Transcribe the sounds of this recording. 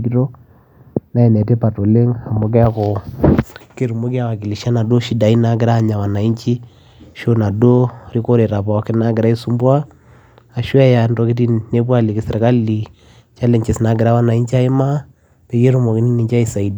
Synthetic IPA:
ki˦to˦ | na˦ɛ˨nɛ˨te˦pa˨to˨le˦ŋa˨mo˨k̬ɛ˦ko˨ | ke˨ɾu˨mo˦ki˦a˨wa˨ki˨li˨ʃa˦na˨do˦ʃi˨da˨i˦na˦ɡ̬ɪ˦ɾaː˦˨ɲa˨wa˨na˨i˦nt͡ʃi˦ | ʃo˦na˨do˦ɾi˦ko˦ɾe˨ɾa˨pɔ˨˦kɪ˦na˦ɡɪ˨ɾa˦i˦su˦mbwa˦ | a˨ʃwa˦ja˨˦ndɔ˨˦ki˦ti˦ne˦pwa˦˨li˨kɪ˨sɪ˨ɾka˦li˨ | t͡ʃa˦le˨ɲt͡ʃe˨sna˨˦ɡɪ˨ɾa˦wa˦na˨i˦nt͡ʃi˦a˦ɪ˦ma˦ | pe˨je˦ɾu˦mo˨ki˨˦ni˦ni˨t͡ʃa˦i˨sa˨i˨d

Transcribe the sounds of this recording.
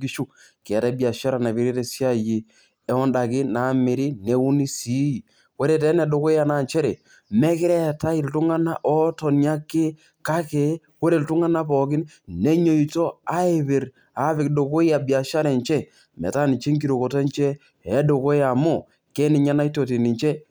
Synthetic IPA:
ɡi˦ʃu˦ | kɛ˨tɛ˦bja˨ʃa˦ɾa˨na˨pi˨ɾi˦te˦sja˦ji˨ | ɛ˦ɔ˦nda˨kɪ˦na˨˦mɪ˨ɾi˦ne˨u˦ni˦si˨˦˨ | ko˦ɾe˨tɛ˨˦ne˨do˨ko˦ja˨na˨nt͡ʃɛ˦ɾe˨ | me˦kɪ˦ɾɛ˦ta˦ɪ˨ltʊ˦ŋa˦na̰˦ʔɔ˦tɔ˨nja˦kːɪ˦ | ka˦ke˨˦ | ko˦ɾe˨ltʊ˦ŋa˦na˦pɔ˨k̬ɪ˦n | ne˦ɲo˨i˨to˦a˦e˨pe˨ɾ | a˨˦pɪ˨kdo˨ko˦ja˨bja˨ʃa˦ɾe˨nt͡ʃɛ˦ | mɛ̰˨ta˦ni˨t͡ʃe˦ŋki˨ɾo˨ko˨te˦nt͡ʃɛ˦ | ɛ˦do˨ko˦ja˨mʊ˦˨ | ke˦nɪ˨ɲa˦na˦i˦to˨ti˨ni˨t͡ʃɛ˦

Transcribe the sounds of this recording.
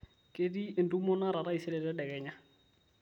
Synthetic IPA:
ke˦di˦e˨ndu˦mɔ˦na˦ɾa˨ɾa˦i˨sɛ˦lɛ˨dɛ˦ɗɛ˨ɡɛ˨ɲa˦

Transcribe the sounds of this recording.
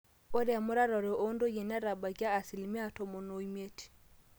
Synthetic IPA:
o˦ɾja˨mɔ˦ɾa˦ɾɔ˨ɾe˨ʔo˦ndo˦je˨na˦ɾa˨ba˨ɡaː˦˨si˨lmi˦a˦to˨mo˨no˨i˦me˦ti̥˨

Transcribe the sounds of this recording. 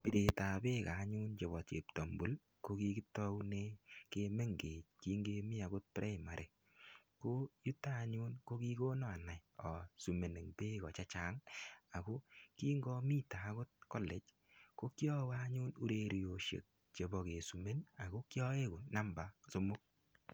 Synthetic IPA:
pi˨te˨ta˨be˦ka˨˦ɲu˦nt͡ʃe˨βɔ˨t͡ʃḛ˨ptɔ˨mbu˨˦l | ko˦ki˧ki˦tɔ˦wne˦ke˧me˦ŋɡe˨t͡ʃ̚ki˦ŋɡe˧mi˦a˨ɡo˦t̚pɾʔɛ˦˨ma˨ɾʔe˨ | ko˦ju˦tːaː˦˨ɲu˦nko˦ki˦ko˦nɔ˦a˨na˨jɔ˨su˨me˨ne˨ŋpe˦kɔ˨t͡ʃa˦t͡ʃaː˦ŋa˨ko˦ki˦ŋɡɔ˧mi˦ta˨˦ko˦t̚ko˦lɛ˨t͡ʃ | ko˦kjɔ˦wa˦ɲʊ˦nu˦ɾe˦ɾjo˨ʃḛ˨k̚ | t͡ʃe˨bɔ˨ke˨su˨me˦na˨ko˦kjɔ˦e˦ko˨na˦mba˨so˦mʊ˦k̚

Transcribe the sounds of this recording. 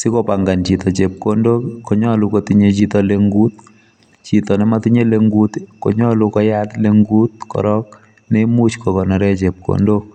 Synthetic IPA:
sɪ˦kɔ˦pa˨ŋɡa˨nt͡ʃi˨t̪ɔ˨t͡ʃe˨p̚ko˦ndo˦kɔ˨ɲɔ˦lu˨kɔt̪i˦ɲe˦t͡ʃi˦t̪ɔ˨leŋɡu˦t̪̚ | t͡ʃi˨t̪ɔ˨nɛ˦ma˦t̪i˦ɲe˦le˦ŋɡu˦t̪kɔ̰˨ɲɔ˦lukɔ˦ja˦t̪le˦ŋɡu˦t̪̚kɔ̰˨ɾɔ˦k | ne˦mu˦t͡ʃkɔ˨kɔ˨na˨ɾɛ˦t͡ʃe˨p̚kʰo̰ndo˦

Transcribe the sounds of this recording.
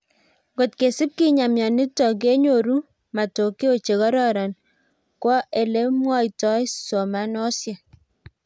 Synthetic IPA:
ɡo˨tke˨si˦p̚ki˦ɲa˨mjɔ˨ni˦tːɔ˨k̬e˦ɲo˨ɾu˦ | ma˨to˨ke˦o˦˨t͡ʃe˨ɣɔ˦ɾɔ˦ɾa˨n | kwɔ˦e˨le˦mwɔ˦jtɔ˦jsɔ˨ma˨˦nɔ˦sja˨

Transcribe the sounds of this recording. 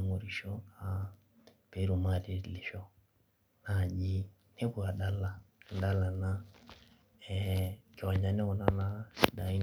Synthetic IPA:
ŋu˨ɾi˨ʃɔ˦ka˨ | pe˨˦ɾu˨ma˦ɾi˨li˨ʃɔ˦ | na˨ʄi˦ | ne˦ku˨a˨ɗa˨la˦˨˦da˦la˨na˦ | ɛka˨ɲa˨nɛ˦kɔ˨na˦na˨si˨da˨i˦n

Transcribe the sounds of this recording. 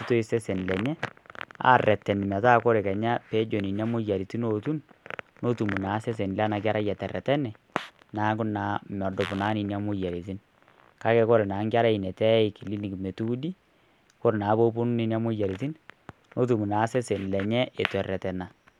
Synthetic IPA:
i˦to˦i˦sɛ˦se˨n˨lɛ˨ɲɛ˦a̰˦˨rɛ˨tːɛ˨n˨mɛ˨ta˦˨ko˦ɾe˨kɛ˨ɲa˦pe˦d͡ʒo˨ni˨nja˦mʊ˦ja˨ɾi˨ti˦no˨tu˦n | no˦tu˨mu˨na˨˦sɛ˦s̬e˨nlɛ˦na˨k̬ʲa˦ɾa˦jɛ˨tɛ˨rɛ̰˨tɛ˦nɛ˨ | naː˨˦kʊ˦na˨˦mɔ˨do˨pʊ˨naː˦ni˨ni˦a˦mʊ˦ja˨ɾi˨t̬i˦n | ka˦kɛ˨ko˦ɾe˨naː˨˦ŋkʲa˦ɾa˦i˨nɛ˨tɛ˦i˨ki˨li˦ni˨kme˨tu˦di˦ | ko˦ɾe˨na˨˦bo˦pu˦n˦ni˨na˦mʊ˦ja˨ɾi˨ti˦n | no˦t̬u˨mu˨naː˨˦sɛ˦se˨nlɛ˨ɲɛ˦e˨tɛ˨rɛ˨tɛ˨na˨

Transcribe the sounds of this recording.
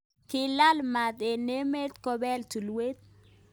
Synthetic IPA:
kɪ˨la˦lma˨d̪e˨ne˦me˦t̪kɔ˦bɛ˦lt̪u˨lwe˦t̪̚

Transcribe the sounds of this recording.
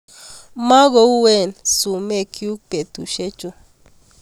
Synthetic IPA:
mã˦ɡo˧˦u˦we˦˨nsu˨me˦kʰju˦pe˨t̪u˨ʃe˦t͡ʃo˧

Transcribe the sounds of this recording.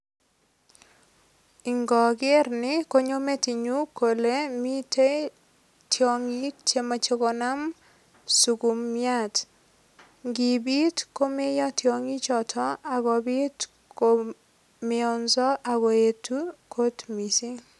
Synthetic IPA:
ɪ˨ŋɡɔ˨ɡɪ˦rnɪ˦ko˦ɲo˦me˦ti˨ɲu˦ko˨le˦mi˦te˦ | tjɔ˨ŋi˦t͡ʃe˦ma˨t͡ʃe˦ko˨na˦m | su˨ɡu˨mja˦˨t | ŋɡɪ˨bi˦tko˦me˦jɔ˦tjɔ˨ŋi˦t͡ʃɔ˨tʰɔ˦a˨ɡɔ˨bi˦t | ko˨ | mɪ˨ɔ˨nzɔ˦ʔa˨ɡɔ˨e˨tu˦kʰo˦tmi˨si˦

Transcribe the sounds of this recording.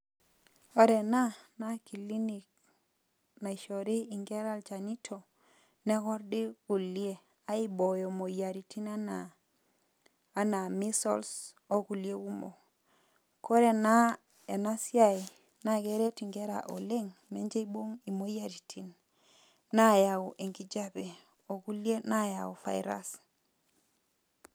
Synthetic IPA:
o˦ɾe˨na˦na˦ki˨li˦ni˨k̚ | na˨i˨ʃo˨ɾi˦i˨ŋɡe˦ɾa˦lt͡ʃa˨ni˦tʰo˨ | ne˦kɔ˦ɾdi˦ku˨li˦e˨ | a˦i˦bo˨jo˨mo˨ja˨ɾi˨tʰi˦na˦na˦ | na˨mi˦sɔ̰˦ls | o˦ku˨li˦e˦ku˦mo̰˨ | ko˦ɾe˨na | e˨na˦si˦a˦i | na˨ɡe˦ɾe˦ti˨ŋɡe˦ɾa̰˨ʔo˨le˦ŋme˦ɲd͡ʒe˦i˦bo˦ŋi˨mo˦ja˨ɾi˨tʰinː | a˦ja˨u˨ʔe˨ŋɡi˦d͡ʒa˦be˨ | o˨ɡu˦lje˦na˦ja˨u˨fa̰˨jɾa̰˦s

